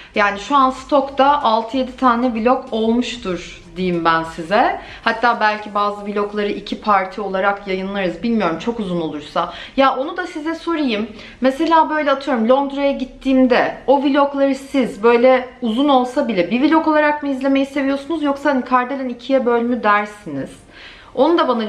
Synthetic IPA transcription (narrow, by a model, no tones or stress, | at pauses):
jaːniʃuanst̪ʰo̞kt̪aʔalˠt̪ʰɯje̞d̪it̪ʰaːnɛvilʲoko̞lˠmuʃt̪uɾ | d̪ijimbænsizɛ | hat̪ʰːaːbælʲcʰibaːzɯvilʲo̞klˠaɾɯʔicʰipʰaɾt̪ʰio̞lˠaɾakjajɯnlˠaɾɯzbilʲmijo̞ɾumt͡ʃʰo̞kuzuno̞lˠuɾsajaːʔo̞nud̪asizɛso̞ɾajɯmː | ese̞lʲaːbø̞jlʲɛat̪ʰɯjo̞ɾumlʲo̞nd̪ɾajaɟit̪ʰːiːmd̪ɛo̞vilʲo̞klˠaɾɯsizbø̞jlʲɛuzuno̞lˠsabilʲɛbivilʲo̞ko̞lˠaɾakmɯizlʲe̞me̞jise̞vijo̞sunuzjo̞ksad̪ɯnkʰaɾd̪elʲɛnicʰijɛbø̞lʲmyd̪æɾsiniz̥ | o̞nud̪abana